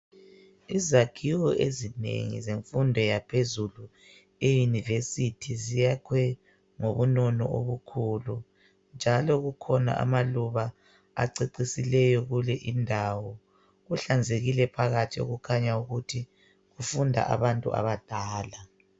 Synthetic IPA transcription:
izakʰiwɔʔezinḛŋḭzeɱfundʱɔjapʰezulu | ejinivesitʰizijakʰwɛ | ŋoβunɔnɔ̰ʔoβukʰulu | nd͡ʒʱalɔɣukʰɔna̰ʔa̰maluβa | a̰ǀiǀisilɛjɔɣulɛʔindʱaːwɔ | ɣuɬand͡zʱeɣilɛpʰaɣatʰio̰ɣukʰaɲauɣutʰi | ɣufundʱa̰ʔa̰βantʼṵa̰βad̥ʱaːla

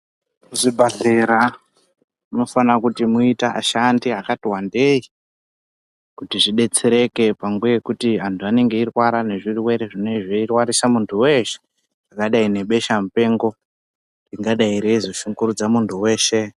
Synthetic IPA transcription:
uʐibʱaɮeɾa | uno̞fanakutimuitaʔa̰ʃandiakatiwande̞i | kutiʐiɗe̞t͡seɾe̞ke̞pamɡeekutiɦantʰuane̞ŋɡe̞irwaɾane̞ʐiriwe̞ɾe̞ʐine̞ʐeirwaɾisamuntʰuwe̞ʃe̥ | akaɗaine̞ɓe̞ʃamupe̞ːŋɡo̞ | riŋɡaɗaiɾeizo̞ʃuŋɡuɾud͡zamuntʰuwe̞ːʃe̞

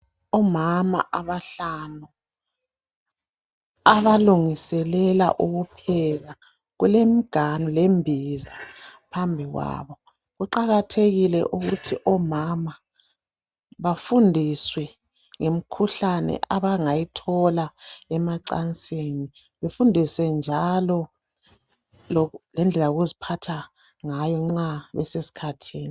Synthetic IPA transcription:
ɔmama̰ʔaβaɬanu | aβaluŋisɛlɛla̰ʔuɣupʰɛɣa | ɣulem̩ɡ̥ʱanulembʱizipʰambʱiɣwa̰ːβɔ | ɣuǃaɣatʰeɣilɛ̰ʔuɣutʰiʔɔmama | βafundʱiswɛ | ŋem̩kʰuɬanɛ̰ʔaβaŋajitʰɔlaɛmaǀa̰nt͡sʼeni | βefundʱisɛnd͡ʒʱalɔ | lɔlɛnd͡ɮʱɛlaoɣuzipʰatʰa | ŋajɔŋ͡ǁaβɛ̰sesi̥kʰatʰiːni

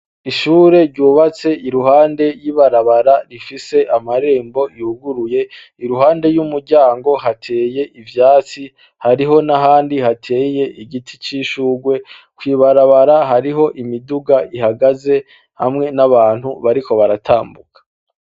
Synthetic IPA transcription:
iʃuːɾe̞ɾɟuːβat͡se̞ʔiɾuɦaːnde̞jiβaɾaβaɾaɾifise̞ʔamaɾe̞ːmbo̞ihuɡuɾuje̞ | iɾuɦaːnde̞jumuɾɟaːŋɡo̞ɦatʰe̞ːje̞ʔivjaːt͡si | haɾiɦo̞naɦaːndihatʰe̞ːje̞ʔiɟitʰit͡ʃiʃuːɡwe̞kwiːβaɾaβaɾaɦaɾiɦo̞ʔimiduɡaʔiɦaɡaze̞ | hamŋe̞naβaːn̥huβaɾiko̞βaɾatʰaːmbukḁ

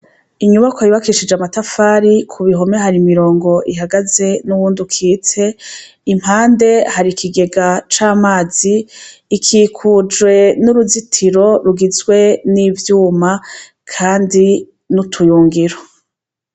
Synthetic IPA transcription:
iɲuβakoiβakiʃid͡ʒamatafaːɾikʰuβiɦo̞mehaɾimiɾo̞ːŋɡo̞ʔiɦaɡaze̞nuβuːndukʰiːt͡se̞ | im̥haːnde̞haɾikʰiɡe̞ɡat͡ʃaːmaːz̥iːkʰiːkʰud͡ʒwe̞nuɾuzitʰiɾo̞ɾuɡizwe̞niːvjuːma | kʰaːndi | nutʰujuːŋɡiɾo

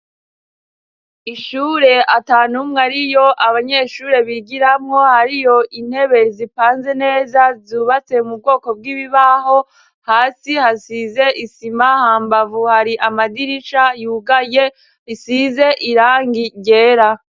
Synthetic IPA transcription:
iʃuːɾe̞ataːnumŋaɾijo̞ʔaβaɲe̞ʃuːɾe̞βiɡiɾamŋo̞haɾijo̞ʔin̥he̞βe̞zipaːnze̞ne̞ːzazuβat͡se̞mub̚ɡo̞ːko̞b̚ɡiːβiβaho̞ | haːsihasize̞ʔisimahaːmbavuhaɾiʔamadiɾit͡ʃajuːɡaje | isize̞ʔiɾaːŋɡiɟe̞ːɾa

